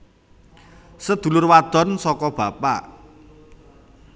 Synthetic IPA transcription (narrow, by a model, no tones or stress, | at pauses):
səd̪̥ṳlʊrwad̪̥ɔ̤nsɔkɔb̥ä̤pa̰